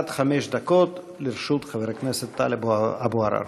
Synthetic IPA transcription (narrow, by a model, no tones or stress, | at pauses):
t̪χameʃd̪akot̪ | liɾʃut̪χaveɾekneset̪ːa̰lebabuaɾa̰